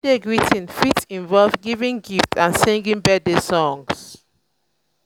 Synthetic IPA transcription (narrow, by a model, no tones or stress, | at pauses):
deɡɹitĩnfitĩnvɔlvɡivĩŋɡiftãnsĩŋɡĩnbɛdesɔ̃ŋs